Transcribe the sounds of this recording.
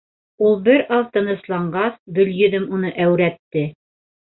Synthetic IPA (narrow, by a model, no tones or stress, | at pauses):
ulˠbɘɾɑðt̪ɤ̆nɤ̆slˠɑɴɢɑθb̪ɵ̆ljɵ̆ðɘmunɤʔæwɾæt̪ːɘ